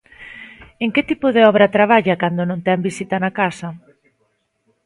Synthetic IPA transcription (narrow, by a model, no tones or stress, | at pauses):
eŋket̪ipʊðeɔβɾɐt̪ɾaβ̞aʎakand̪onõnt̪ɛmbisit̪ɐnakasɐ